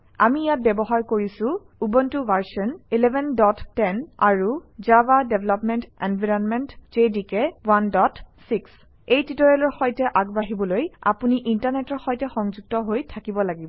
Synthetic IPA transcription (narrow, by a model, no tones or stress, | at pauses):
amijat̚bɛbɔɦaɹkoɹisʊ̃ | ubɔntubaɹsɔnilɛbʱɛndɔtːɛna̰ɹuzabadeblɔpmɛntɛnbʱiɹɔnmɛntd͡ʒedikɛwandɔtsiks | ejtitɔɹɛlɔɹxɔjtɛʔaɡbaɦibɔloja̰puniʔintaɹnɛtɔɹxɔjtɛxɔŋzuɡ̚tɔɦojtʰakibɔlaɡibɔ